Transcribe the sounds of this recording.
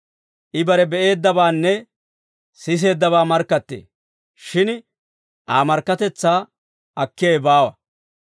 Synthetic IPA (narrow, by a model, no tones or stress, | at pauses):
ʔɪbɐɾɛbɛʔe̞ːd̪ːɐbaːnːɛ | sɪs̬e̞ːd̪ːɐβaːmɐɾkːɐt̪ːḛː | ʃɪn | ʔaːmɐɾkːɐt̪ɛt͡sːaː | ʔɐkːɪeːbaːwɐ